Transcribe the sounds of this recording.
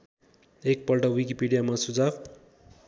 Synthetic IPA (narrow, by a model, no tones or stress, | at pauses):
ek̚pʌlʈʌwik̬ipiɖijamasud͡zab